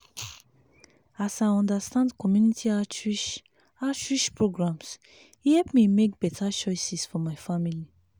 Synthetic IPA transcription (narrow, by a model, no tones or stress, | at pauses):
asaɪɔ̃ndastãndkɔmjunitʰiat͡ʃiʃ | at͡ʃɹiʃpɹoɡɹãms | ihɛpmimek̚b̥ɛtʰat͡ʃɔɪsisfɔmaɪfamili